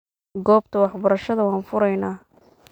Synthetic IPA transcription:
ɡɔːb̚t̪ʰɐwɑħbɐɾɐʃɐðɐwɑːnfʊɾɐjnaː

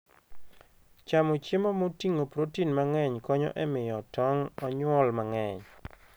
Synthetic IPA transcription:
t͡ʃamot͡ʃjemɔmotiŋopɾotinmaŋɛɲkɔɲɔ̰ʔɛmɪjɔtɔŋɔɲwɔlmaŋɛɲ

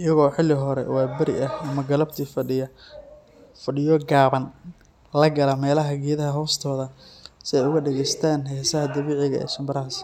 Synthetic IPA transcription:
ʔɪjɐɣɔːħɪlːɪɦɔɾɛ̰wɑːbɐɾɪ̰ʔɐhɐmɐɡɐlɐbt̪ʰiːfɐɖɪjɐ | fɐɖɪjɔɡaːβɐn | lɐɡɐlɐmɛːlɐɦɐɡiːðɐɦɐɦɔːst̪ʰɔːðɐsɪɛjʊɣɐɖɛɣɛjst̪ʰaːnɦɛjsɐɦɐd̪ɐβiːʕɪɣɐ̰ʔɛ̰ːʃɐmbɐɾɐɦɐs

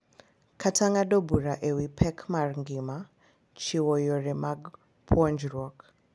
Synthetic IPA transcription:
kʰatʰaŋadɔbuɾaʔɛwipʰɛkʰmaɾŋɡima | t͡ʃiwɔjɔɾɛmaɡ | pʰɔnd͡ʒɾɔk

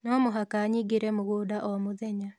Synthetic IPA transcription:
nɔmoɦakaɲiɡeɾɛmoɣoːdaʔɔmoðɛɲa

